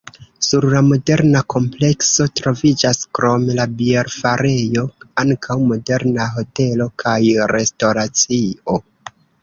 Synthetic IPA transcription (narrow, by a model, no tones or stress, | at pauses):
suɾlamo̞de̞ɾnakʰo̞mple̞kso̞tɾo̞vid͡ʒaskɾo̞mlabieɾfaɾe̞jo̞aŋkʰawmo̞de̞ɾnaɦo̞te̞lo̞kʰajɾe̞stoɾat͡sio̞